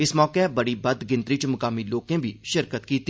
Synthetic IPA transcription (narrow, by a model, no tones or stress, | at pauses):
ɪsmɔːkebɐɽibɐd̪ɡɪ̃nt̪ɾɪt͡ʃmʊkaːmiloːkẽbʱiʃɪɾkət̪kiːt̪ː